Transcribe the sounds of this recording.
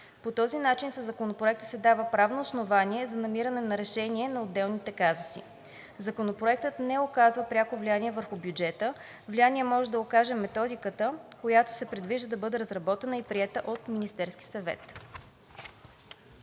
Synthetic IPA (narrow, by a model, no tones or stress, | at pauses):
pot̪ɔzinat͡ʃinsəzːɐkonopɾoɛk̚t̪ə̥sɛd̪avəpɾavnoːsnovaniɛzɐnɐmiɾɐnɛnɐɾɛʃɛniɛnɐod̪ːɛlˠnit̪ɛkazʊsḭ | zɐkonopɾoɛk̚t̪ət̪nɛokazvəpɾʲakovlijaniɛvəɾxʊbjud͡ʒɛt̪ə | vlijaniɛmɔʒɛd̪ɐokaʒɛmɛt̪ɔd̪ikət̪əkojat̪o̥sɛpɾɛd̪viʒd̪əd̪ɐbɤd̪ɛɾɐzɾɐbɔt̪ɛnəipɾiɛt̪əʔot̪minist̪ɛɾsk̟ʲi̥sɐvɛ̰t̪